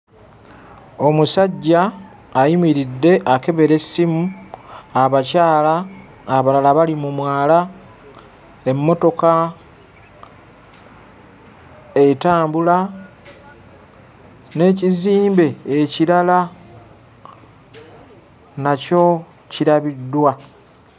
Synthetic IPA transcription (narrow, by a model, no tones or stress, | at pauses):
o̞musaɟːaː | jimiɾidːe̞ʔake̞βe̞ɾe̞simu | aβacaːlaː | βalalaβalimumwaːla | e̞mːo̞to̞ka | e̞taːmbula | ne̞ːciziːmbe̞ːciɾala | naco̞ | ciɾaβidːwa